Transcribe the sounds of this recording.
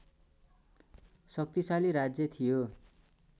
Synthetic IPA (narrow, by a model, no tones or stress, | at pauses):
sʌk̚t̪isaliɾad͡zjʌt̪ʰijo